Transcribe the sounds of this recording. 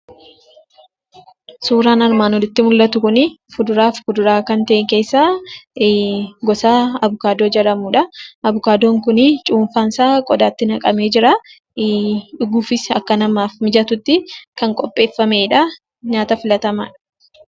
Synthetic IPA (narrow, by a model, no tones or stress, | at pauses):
suːɾaːnɐɾmaːnɔd̪ɪt̪ːɪmʊlːɐt̪ʊkʊnɪfʊd̪ʊɾaːfkʊd̪ʊɾaːkɐnt̪ɐʔeŋke̞ːsːaː | ɡɔsaːɐbʊkaːd̪oːd͡ʒɐɾɐmuːᶑɐɐbʊkaːd̪oːŋkʊnɪt͡ʃʼuːnfaːnsaːkʼɔd̪aːt̪ːɪnɐkʼɐme̞ːd͡ʒɪɾa | ᶑʊɡuːfɪsɐkːɐnɐmaːfmɪd͡ʒɐt̪ʊt̪ːɪkɐŋkʼɔpʼːe̞ːfːɐmeːᶑɐ | ɲaːt̪ɐfɪlɐt̪ɐma̰ːᶑɐ̥